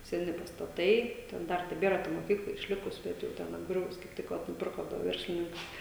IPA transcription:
sʲɛˈnʲɪ pɐstɐˈtɐɪ tʲɛn ˈdɐr tʲɛˈbʲeːrɐ tɐ moːˈkʲiːklˠɐ ɪʃʲˈlʲɪkʊs ˈbʲɛt jɛʊ ˈtʲɛn ɐbˈɡrʲʊʋʊs kɐɪp ˈtʲɪk ʋɐ nʊˈpʲɪrkoː dʊ ˈʋʲɛrʲsʲlʲɪnʲɪŋkɐɪ

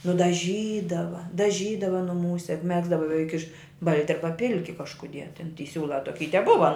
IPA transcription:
nʊdɐˈʒʲiːdɐʋɐ dɐˈʒʲiːdɐʋɐ nʊˈmuːsʲɛ jʊk ˈmʲæːɡzdɐʋɐ bʲɛˈʋʲɛɪk ɪʃ ˈbɐlʲtʲɪ ˈɐrbɐ ˈpʲɪlʲkʲɪ kɐʃkʊˈdʲiɛ tʲɛn tʲiː ˈsʲuːlˠɐ toːˈkʲiː ɪ tʲɛˈbʊʋɐ

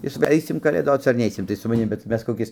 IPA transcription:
ˈjɪs ʋɐ ˈɐɪsʲɪm kɐlʲeːˈdoːt͡s ɐr ˈnʲɛɪsʲɪm tɐɪ sʊ mɐˈnʲɪm bʲɛt ˈmʲɛs koːˈkʲɪs

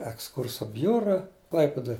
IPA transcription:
ɛksˈkʊrsoː ˈbʲjʊrɐ ˈklˠɐɪpʲɪdoːj

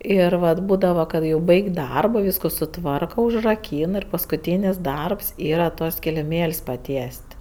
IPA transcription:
ˈɪr ʋɐt ˈbuːdɐʋɐ ˈkɐt jɛʊ ˈbɐɪkʲ ˈdɐrboː ˈʋʲiːskoː sʊˈtʋɐrkɐ ʊʒrɐˈkʲiːn ɪr pɐskʊˈtʲiːnʲɪs ˈdɐrps ˈiːrɐ tuɔs kʲɪlʲɪˈmʲeːlʲsʲ pɐˈtʲiɛsʲtʲ

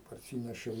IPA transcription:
pɐrʲˈsʲiːnʲɛʃʲɛʊ

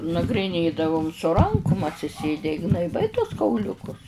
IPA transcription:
nɐɡrʲɪˈnʲeːdɐʋʊm sʊ ˈrɐŋkʊm ɐtʲsʲɪˈsʲeːdʲɛ ɪ ɡnɐɪˈbɐɪ tuɔs kɐʊˈlʲʊkʊs

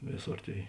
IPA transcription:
ˈʋʲeːˌsoːr ˈtʲeːɪ

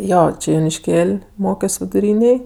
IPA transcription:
ˈjoː ˈt͡ʃʲɪ joːnʲɪʃʲˈkʲeːlʲ ˈmoːkʲoːs ʋʲɪdʊˈrʲiːnʲeːj

